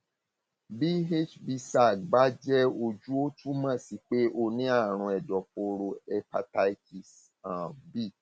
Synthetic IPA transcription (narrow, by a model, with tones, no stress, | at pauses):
bi˦ɦe˦t͡ʃbi˧sa˨ɡ͡ba˦d͡ʒɛ˦o˧d͡ʒu˦o˦tũ˦mã˦˨si˧˦k͡pe˦ʔo˦˨nĩ˦a˦˨ɾ̃ũ˧ɛ˨dɔ˨po˧ɾo˧ɛ˧pa̰˧ta˧i˦ti˨s | ã˨bi˦˨